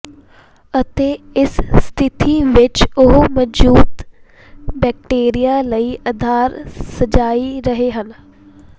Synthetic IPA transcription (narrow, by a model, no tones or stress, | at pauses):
ət̪eːɪsst̪ʰɪt̪iʋɪt͡ʃʊɦməuːt̪ | bɛːk̚ʈeːɾijaləiːʔɐd̪ʱaːɾsəd͡ʒaːiɾəɦeɦən